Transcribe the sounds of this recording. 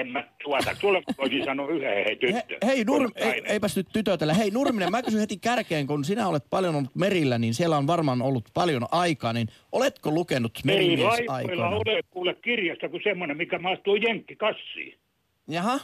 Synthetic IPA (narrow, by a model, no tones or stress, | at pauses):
emːæt̪t̪uɑt̪ɑ̰t̪uoleoisisɑnoːyhehehet̪yteːø̰heinurmeieipæst̪yt̪t̪yt̪øt̪elːæheinurminemækysynhet̪ikærkeːŋkunsinæolet̪pɑljonolːut̪merilːæninsielːæonʋɑrmɑnolːut̪pɑljonɑikɑːnin | ʔolet̪kolukenut̪merilɑiɑiokilːɑolekuːlekkirjɑst̪ɑkusemːonemmikæmɑist̪uijeŋkːikɑsːḭː | jɑhɑ